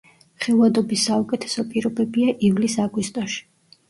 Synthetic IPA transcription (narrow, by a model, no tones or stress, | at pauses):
χɛlˠvad̪ɔbisːaukʼɛt̪ʰɛ̥sɔpʼiɾɔbɛbiaʔivlisaɡwist̪ʼɔʃi̥